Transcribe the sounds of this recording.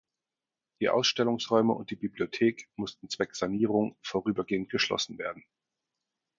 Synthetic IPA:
d̥iːʔa̰ʊsʃtɛlʊŋsʁɔʏməʊ̰nt̚d̥iːbibliotʰeːkmʊstn̩t͡sv̥ɛkz̥aniːʁʊŋfoːʁyːbɐɡeːənt̚ɡ̥əʃlɔ̰sn̩veːɐdn̩

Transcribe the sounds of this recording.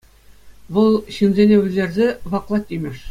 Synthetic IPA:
ʋɤlˠɕinzʲenʲewʲɘ̆zʲerʲzʲeʋɑqlˠɑt̪ʲːimʲɘ̆ʂ

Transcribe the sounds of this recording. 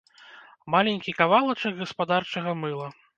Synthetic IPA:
malʲenʲkʲikavalˠɐt͡ʂɐɡɣɐspad̪art͡ʂɐɣɐmɨlˠɐ

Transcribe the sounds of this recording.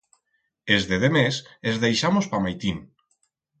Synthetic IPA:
ezðeðemesezðejʃamospamajt̪in

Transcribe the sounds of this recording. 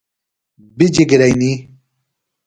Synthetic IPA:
bid͡ʑiɡiɾajni

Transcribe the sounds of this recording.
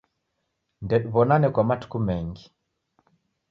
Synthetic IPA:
ndɛɗuβɔnanɛkwamatu̥kumɛŋɡi

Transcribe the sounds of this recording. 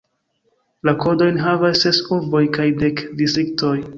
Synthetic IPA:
lakʰo̞do̞jnɦavasːe̞suɾbo̞jkajde̞kdisik̚to̞j

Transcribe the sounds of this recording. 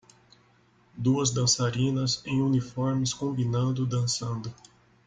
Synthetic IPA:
d̪uɐzd̪ɐ̃saɾĩnɐzẽj̃unifɔɾmɪskõmbinɐ̃nd̪ʊd̪ɐ̃sɐ̃nd̪ʊ

